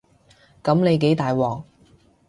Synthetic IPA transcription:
kɐ˨˥mne˨˧jk̬e˨˥jt̪aː˨jwɔː˨˩ŋ

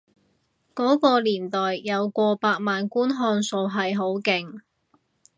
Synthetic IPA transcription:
kɔː˨˥kɔː˧liː˨˩nt̪ɔː˨jːɐ˨˧wkʷɔː˧paː˧k̚maː˨nkuː˥nɦɔː˧nso˨˧wɦɐ˨jɦo˨˥wkɪ˨ŋ

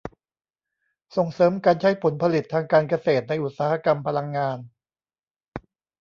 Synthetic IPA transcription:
so˨˩ŋsɤː˩˦mkaː˧nt͡ɕʰa˦˥jpʰo˩˦npʰa˧li˨˩t̪ʰːaː˧ŋkaː˧nka˧seː˨˩t̪̚na˧jʔu˨˩t̪̚saː˦ha˦˩ka˧mpʰa˧la˧ŋːaː˧n

